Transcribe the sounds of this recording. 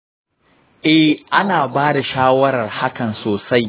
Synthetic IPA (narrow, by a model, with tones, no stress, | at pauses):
ʔɛ˦hʔa˦naː˨baː˦da˨ʃaː˦wɐ˦ɾɐ˨rha˦kɐ˨nsoː˨sa˦j